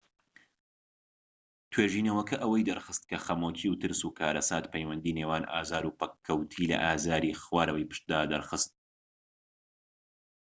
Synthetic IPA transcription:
t̪ʰweːʒiːnɐwɐkʰɐʔɐwɐjd̪ɐɾxɨst̪̚kʰɐxɐmoːcʰiwt̪ɨɾsuːkʰaːɾɐsaːt̪pʰɛjwɐnd̪iːneːwaːnʔa̰ːzaːɾupɐkʰːɐwt̪ʰiːlɐ̰ʔaːzaːɾiːxwaːɾɐwɐjpɨ̥ʃt̪̚d̪aːd̪ɐɾxɨst̪̚

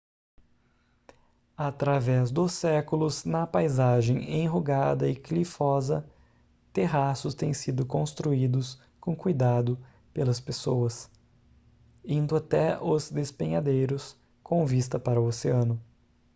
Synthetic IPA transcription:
at̪ɾavɛzd̪ʊsɛkʊlʊznɐpajzaʒẽj̃ḛ̃j̃ɦoɡad̪ɐɪklifɔzɐ | t̪eɦasʊst̪ẽj̃sid̪ʊkõst̪ɾuid̪ʊs | kõkujd̪ad̪ʊ | pelɐspesowɐs | ĩnd̪ʊat̪ɛʊzd̪espẽɲad̪ejɾʊs | kõvist̪ɐpaɾʊoseɐ̃nʊ

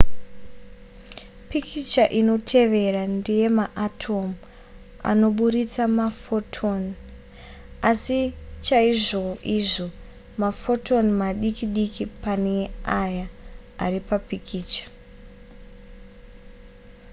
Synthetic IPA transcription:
pikit͡ʃaʔino̞tʰe̞ʋe̞randije̞maʔatʰo̞mu | a̰no̞ɓuɾit͡samafotʰon | asit͡ʃaiʐo̞ʔiʐo̞ | mafo̞tʰo̞nmaɗikiɗikipane̞aja | aripapikʰiːt͡ʃḁ

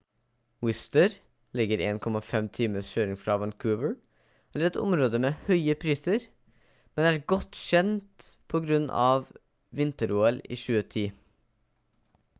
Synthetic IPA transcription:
wɪst̪əɾ | lɪɡəɾḛːnkʰɔmɑfɛmt̪ʰiːməsçøːɾɪŋfɾɑːʋɑnkʰʉːʋəɹ | ɛləɾɛt̪ʰʊ̰mɾoːd̪əmeːhœʏəpʰɾiːsəɾ | mɛnæːɾɡɔt̪ʃɛnt̪pʰoːɡɾʉnːʔɑ̰ːʋ | ʋɪnt̪əɾuːəlḭːʃʉːət̪ʰiː

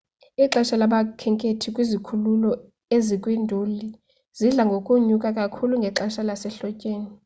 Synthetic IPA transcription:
iǁaʃalaɓakʰɛŋkʼetʰikʼwizikʰululɔ | ezikʼwindʱuli | z̥iɮaŋɡʱokʼuɲukʼakʼakʰuluŋɡʱɛǁaʃalasɛɬɔcʼeːni

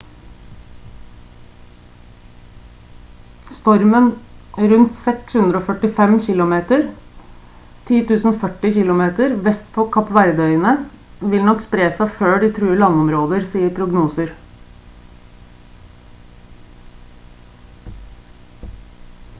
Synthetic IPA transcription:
st̪ɔɾmənɾʉnt̪sɛkshʉnd̪ɾəoːfœʈɪfɛmçɪlʊmeːt̪əɾ | t̪ʰiːt̪ʰʉːsn̩fœʈɪçɪlʊmeːt̪əɾʋɛst̪pʰɔːkʰɑpʋæɾd̪œʏənə | ʋɪlnɔkspɾeːsæføːɖiːt̪ʰɾʉːəlɑŋɔmɾoːd̪əɾsiːəɾpʰɾʊɡnuːsəɾ

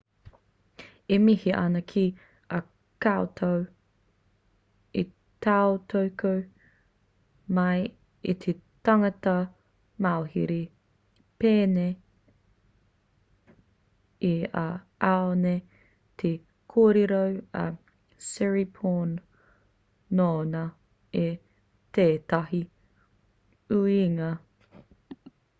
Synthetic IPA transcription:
emihiʔɐ̰nɐkʰi | ɐ | kaot̪ʰow | i | t̪aot̪ʰowkow | mɐj | it̪ʰet̪ɐŋɐtɐ | maohiɾi | peːne | ia̰ | aone | t̪ʰe | kʰoːɾeɾowɐ̰ | sɛɹipʰon | oːnɐ | e | t̪eːt̪ɐɦi | ʉiŋɐ

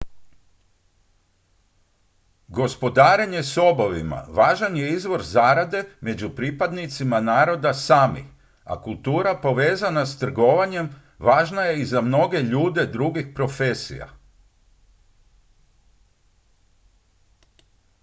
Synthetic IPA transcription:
ɡo̞spo̞d̪aːɾeɲe̞so̞boʋḭma̰ʋaːʒanje̞izʋo̞ɾzaːɾad̪e̞me̞d͡ʑupɾipad̪nit̪simanaːɾo̞d̪asaːmḭx | a̰kulˠt̪uːɾapo̞ʋe̞ːzanast̪r̩ɡo̞ʋaɲe̞m | ʋaːʒnaje̞izamno̞ɡe̞ʎuːd̪e̞d̪ɾuɡixpɾo̞fe̞sḭja̰

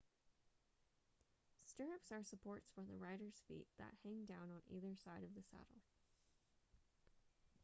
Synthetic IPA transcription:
stɜ˞ɨpsə˞səpʰɔɹtsfə̃˞ðəɹaɪɾə˞z̥fḭt̪̚ðɨ̰t̚hæ̃ŋdãʊ̃nə̃niðə˞saɪɾʌvðɨsæ̰ɾl̩ˠ

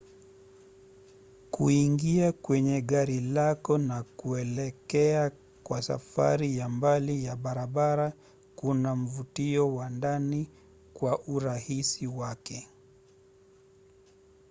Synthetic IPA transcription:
kuiŋɡiakwɛɲɛɠaɾilakɔnakuɛlɛkɛa | kwasa̰fa̰ɾijambalijaɓaɾaɓaɾa | kunam̩vutiɔwandani | kwaʔuɾahisiwakɛ

